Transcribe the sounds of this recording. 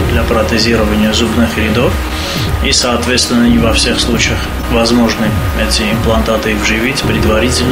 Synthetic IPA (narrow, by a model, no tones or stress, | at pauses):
d̪lʲapɾət̪ɨzʲiɾəvənʲɪjəzubnɨxɾʲɪd̪of | isɐːt̪vʲet̪st̪vʲɪnːənʲɪvɐfsʲexslˠut͡ɕɪjəx | vɐzmoʐnɨɛtʲɪɪmplˠɐnt̪at̪ɨvʐɨvʲitʲpɾʲɪd̪vɐɾʲitʲɪlʲn